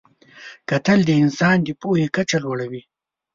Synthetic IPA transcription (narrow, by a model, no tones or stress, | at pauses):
kat̪əld̪əɪnsɑːnd̪ipohekat͡ʃalwaɽawi